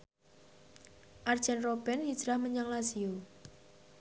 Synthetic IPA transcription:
ʔard̥ʒ̥ɛnrob̥ɛnhi̥ʒ̥ɾahməɲaŋlasio

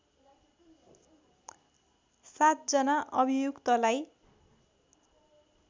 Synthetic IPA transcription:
sat̪̚d͡zʌnaʔʌbʱijukt̪ʌlaj

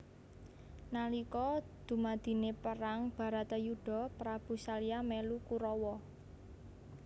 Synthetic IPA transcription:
nalikɔd̪̥ṳmad̪̥i̤nepəɾaŋb̥a̤ɾat̪ajuɖ̥ɔ̤pɾab̥ṳsaliamɛlukuɾɔwɔ

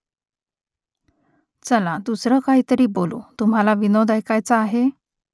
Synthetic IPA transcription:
t͡səlad̪usɾəkaɦiːt̪əɾiːbolṵt̪um̤alaʋinod̪ʱajkajt͡saːɦe

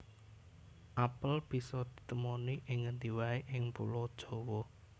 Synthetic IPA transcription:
ʔapəlb̥i̤sɔd̪̥i̤̥t̪əmoniʔɪŋːənd̪i̤waiʔɪŋpṵlɔd̥ʒ̥o̤wɔ

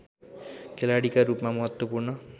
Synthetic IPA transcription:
kʰelaɽikaɾupmamʌɦʌt̪wʌpurnʌ

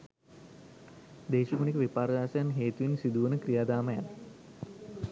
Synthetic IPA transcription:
d̪eːʃikunikəʋipaːɾəd̪aːsɐjanɦeːt̪uʋinsid̪uʋənəkrijaːd̪aːməjanə

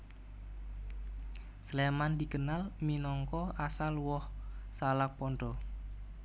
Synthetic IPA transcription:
slemand̪ikənalminɔŋkɔasalwɔhsalak̚pɔnɖɔ

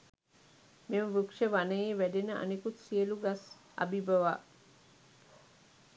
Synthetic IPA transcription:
meməʋukʂəʋanəjeːʋæɖenəʔa̰nekut̪siəluɡas | a̰bibəʋaː

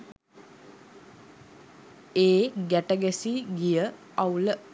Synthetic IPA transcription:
eːɡæʈəɡæsiɡijə | awlə

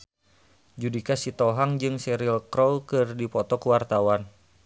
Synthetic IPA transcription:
d͡ʒudikasit̪ɔɦaŋd͡ʒɨŋsɛɾilkɾɔlkɨrdipɔt̪ɔkuwart̪awan

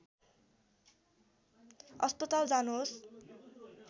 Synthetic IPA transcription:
ʌspʌt̪ald͡zanuɦos

